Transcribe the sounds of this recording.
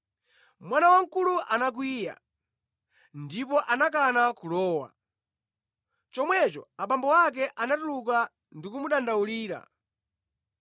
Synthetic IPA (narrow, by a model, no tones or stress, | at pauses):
mwanawaŋ̩kuluʔanak̬wiːja̰ | ndipɔʔanak̬anakulɔːwa̰ | t͡ʃɔmwɛt͡ʃɔaɓambɔwak̬ɛʔanatuluk̬a | ndikumuɗandauliːɾa̰